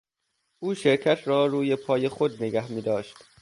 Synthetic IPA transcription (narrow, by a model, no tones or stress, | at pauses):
ʔuːʃeɾkʰæt̪ʰrɒːɾuːjepʰɒːjexo̞d̪̚neɡæhmiːd̪ɒːʃt̪